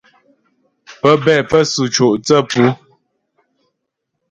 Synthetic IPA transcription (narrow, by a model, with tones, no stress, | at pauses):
pə˦bɛ˦˨pə˦su˨t͡ʃo˨ʔt͡sə˦˨pu˦